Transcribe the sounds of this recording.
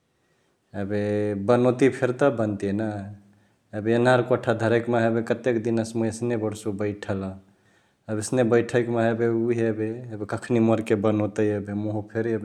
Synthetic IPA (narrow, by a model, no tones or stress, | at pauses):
ebebənot̪ipʰeɾt̪əbənt̪iena | ebeənaɾkoʈʰad̪ʱəɾekmeɦebekət̪ekd̪inəsmuesnebəɾsubəɪʈʰələ | əbisnebəɪʈʰəkmeɦebeuɦebeebekəkʰniməɾkebənot̪əjebemoɦupʰeɾebe